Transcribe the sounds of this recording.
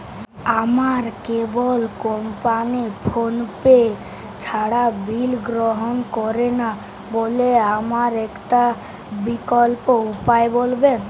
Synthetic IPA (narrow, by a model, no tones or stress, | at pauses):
amaɾkebolkɔmpanipʰonpe | t͡ʃʰaɽabilɡɾoɦonkɔɾena | boleamaɾɛkʈa | bikɔlpoupaebolben